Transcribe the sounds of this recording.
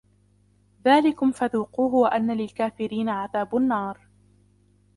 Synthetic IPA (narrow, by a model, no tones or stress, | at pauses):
ðaːlɪkʊmfaðuːquːɦʊwaʔanːalɪlkaːfɪɾiːnaʕaðaːbʊnːɑːɾˤ